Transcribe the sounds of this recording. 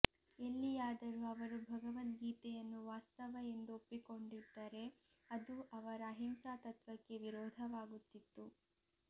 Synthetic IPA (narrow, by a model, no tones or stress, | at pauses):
e̞lːijaːd̪ɐɾuɐʋɐɾubʱɐɡɐʋɐt̪ɡiːt̪ɛjɐnːuʋaːst̪ɐʋɐe̞nd̪uopːiko̞ɳɖid̪ːɐɾe̞ | ɐd̪uʔɐʋɐɾɐɦimsaːt̪ɐt̪ʋɐkːe̞ʋiɾɔːd̪ʱɐʋaːɡut̪ːit̪ːu